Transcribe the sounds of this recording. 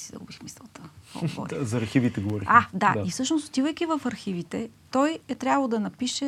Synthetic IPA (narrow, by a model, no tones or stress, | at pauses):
sid̪ɐ̰ɡubixmisɛlˠt̪əkɔ̰ɡovɔ̰ɾizɐɾxivit̪ɛɡovɔɾiad̪aifsɤʃnost̪o̥t̪ivəjkʲivɐfɐɾxivit̪ɛt̪ɔjɛt̪ɾʲjavəlˠd̪ɐnɐpiʃɛ